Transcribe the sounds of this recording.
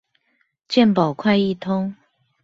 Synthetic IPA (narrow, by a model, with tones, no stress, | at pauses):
t͡ɕjɛ˥˨npɑ˨˩ʊkʰwa˥˧ɪi˥˨t̪ʰʊ˥ŋ